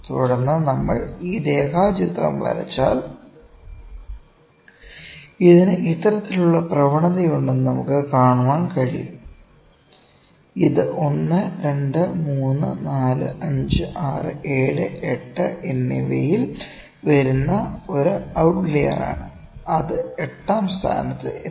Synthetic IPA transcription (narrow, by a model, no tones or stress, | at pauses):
t̪uɽɐnːɐnɐmːɐɭiːd̪e̞ːkaːt͡ɕit̪rɐ̰mʋɐ̰ɾɐ̰t͡ɕːa̰ːl | iðinɨʔit̪ːɐɾɐt̪ːiluɭːɐprɐʋɐɳɐðɐjuɳɖunnɐmukːɨkaːɳuʋaːnkɐɻḭjum | iðɨʔo̞nːɨɾe̞ɳɖɨmuːnːɨ̰naːlɨ̰ʔɐɲd͡ʑɨʔaːrɨ̰ʔe̞ːɻɨeʈːɨʔenːiʋḛjil | ʋɐɾunːɐo̞ɾuɐwʈʋleːjɐ̰ra̰ːɳɨ | ɐðɨeʈːaːmst̪ʰa̰ːnɐt̪ːɨ̰e